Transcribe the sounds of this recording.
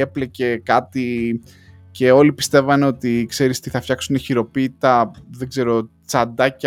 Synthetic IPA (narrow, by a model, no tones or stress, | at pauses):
eplece̞kɐt̪i | ce̞o̞lipi̥st̪e̞vɐneo̞t̪ikse̞ɾist̪iθɐfçɐksuneçiɾo̞piːtit̪ɐðe̞ɡze̞ɾo̞ | t͡sɐnd̪ɐc